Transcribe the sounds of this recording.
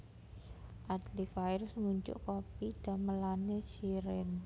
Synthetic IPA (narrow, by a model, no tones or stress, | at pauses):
ʔad̪lifaiɾsmuɲd͡ʒʊ̰ʔkopid̪̥a̤məlanesiɾɪn